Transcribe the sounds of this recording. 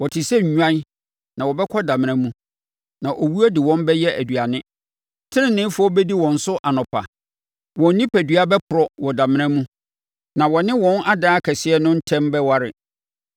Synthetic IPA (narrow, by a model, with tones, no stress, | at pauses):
wɔ˨tʰɪ˨sɛ˦ɲ̩˨ɲᶣã˦n | nã˨wɔ˨bɛ˦kʰɔ˦dã˨mɪ̃˨ã˦mũ˦ | nã˨ʔo˨wu˦ɔ˦dɪ˨wɔ̃˦mbɛ˦jɛ˦æ˨dɥa˨nɪ̃˦ | tʰɪ˦ɪ̃˦˨nɪ̃˦fɔ˦bɛ˦di˦wɔ̃˨n̩˨sʊ˦ʔa˨nʊ̃˨pʰa̰˨ | wɔ̃˨n˦nĩ˦pʰæ˨dɥa˦bɛ˦pʰʊ˨ɾɔ˦wɔ˨da˨mɪ̃˦ɾ̃ɛ̃˦mũ˦ | nã˨wɔ˨nɪ̃˦wɔ̃˦na˦daː˦kʰɛ˨sɪ˦ɛ˦nʊ̃˦n̩˦tʰɛ̃˦mbɛ˦wa˦ɾɪ̰˨